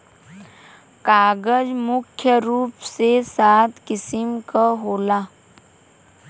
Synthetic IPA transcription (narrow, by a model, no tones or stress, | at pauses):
kaːɡəd͡ʒmʊkʰjəɾuːpsesaːt̪ʰkɪsɪmkaɦoːlaː